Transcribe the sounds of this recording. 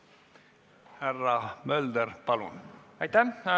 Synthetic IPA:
hærːɑmøld̪ərpɑlunɑjt̪æ

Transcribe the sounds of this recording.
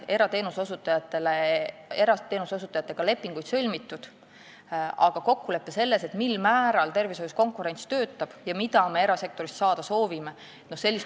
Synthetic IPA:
e̞ɾɑt̪e̞ːnusosut̪ːˑɑjɑt̪ːˑeleeɾɑt̪ːe̞ːnusosut̪ːˑɑjɑt̪ːˑe̞ɡ̥ɑle̞pːˑiŋɡ̥ujd̪̥sø̞lʲmit̪ːud̪̥ | ɑɡ̥ɑko̞kːule̞pːese̞lːe̞se̞t̪milmæːɾɑlt̪e̞rviso̞jusko̞ŋkˑuɾe̞nst̪ø̞ːt̪ːˑɑb̥jɑmid̪̥ɑme̞eɾɑse̞k̚t̪o̞ɾistsɑːd̪̥ɑso̞ːvime̞ | nose̞lːis

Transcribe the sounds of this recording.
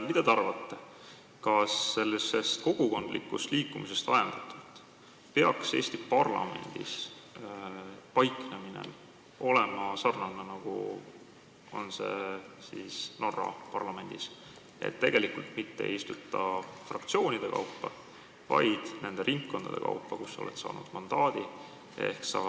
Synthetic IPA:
mid̪̥ɑd̪eɑrvɑt̪ːe | kɑsːe̞lːise̞st̪̚ko̞ɡ̥uko̞nd̪lḭkːust̪liːkːumise̞st̪ɑjend̪̥ɑt̪ːˑult̪ːˑ | pe̞ɑkse̞ːsʲt̪ipɑrlɑ̰me̞̰nʲd̪̥ḭs | pɑjkˑneminḛ | o̞lemɑsɑrnɑnɑnɑɡ̥ṵ | o̞nse̞sisno̞rːɑpɑrlɑme̞nʲd̪̥is | e̞̰t̪ːe̞ɡ̥e̞likult̪mit̪ːeḛjist̪ut̪ˑːɑfrɑkt̪sio̞ːnʲid̪̥e̞kɑ̰upːɑ | vɑ̰jd̪̥ne̞nd̪̥e̞ɾʔiŋkːo̞nd̪̥ɑd̥̪e̞̰kɑ̰upːɑkusːɑo̰le̞̰t̪sɑ̰ːnṵd̪̥mɑnd̪̥ɑːd̪̥i | ḛhksɑː

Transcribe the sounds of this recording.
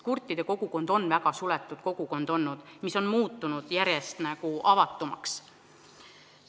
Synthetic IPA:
kurt̪ːˑid̪̥e̞ko̞ɡ̥uko̞nd̪̥o̞nːvæɡ̥ɑsulɛt̪ːˑud̪̥ko̞ɡ̥uko̞nd̪̥o̞nːud̪̥miso̞nmuːt̪ːˑunud̪̥jæɾje̞st̪næɡ̥uʔɑvɑt̪ːˑumɑ̰ks

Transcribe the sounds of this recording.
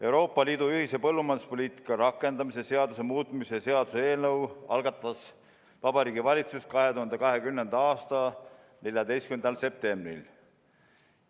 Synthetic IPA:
e̞wɾo̞ːpˑːɑliːd̪uyɦise̞pɤlːumɑnu̥spo̞lʲiːt̪ˑi̥kːˑɑɾɑkːˑe̞nd̪̥ɑmisese̞ɑd̪̥use̞muːt̪ˑmisese̞ɑd̪̥usee̞ːlnɤwɑlɡ̥ɑt̪ːˑɑs | vɑb̥ɑɾiːɡivɑlʲit̪sust̪̚kɑɦe̞t̪uhɑnd̪ekɑɦe̞kymnend̪̥ɑɑːst̪ɑ | ne̞lʲjɑd̪e̞jstkymend̪ɑlse̞p̚t̪e̞mbrḭl

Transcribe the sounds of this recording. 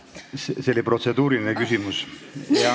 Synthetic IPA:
seseolipro̞t̪se̞d̪uːɾilinekysʲimusɑ

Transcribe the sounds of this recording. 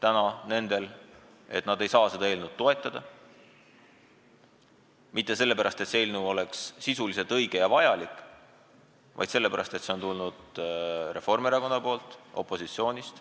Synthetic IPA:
t̪ænɑne̞nd̪̥e̞l | e̞t̪ˑnɑd̪e̞jsɑːse̞d̪ɑeːlnud̪̥̚t̪ːo̞e̞t̪ˑːɑd̪̥ɑ | mit̪ːˑe̞se̞lːe̞pæɾɑst̪e̞t̪seeːlnuo̞le̞ksːisulise̞lt̪ɤjɡ̥e̞jɑvɑjɑlikːˑ | vɑ̰jd̪se̞lːe̞pæɾɑ̰st̪e̞t̪se̞o̞nt̪ulnud̪̥re̞fo̞rmeɾɑko̞nːɑpo̞ːlt̪ˑo̞̰pːˑo̞sit̪sio̞ːnʲist̪

